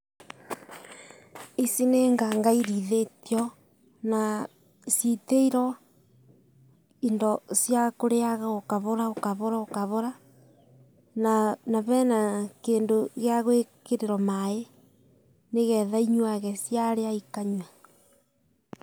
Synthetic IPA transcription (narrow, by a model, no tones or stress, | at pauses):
isineŋɡaŋɡaiɾiðetjɔ | na | siteiɾɔ | indɔsjakoɾeaɣaokaβoɾaokaβoɾaokaβoɾa | nanaβɛnakeːndoɣeaɣwekeɾeɾɔmae | neɣɛðaiɲwaɣɛsjaɾeaikaɲa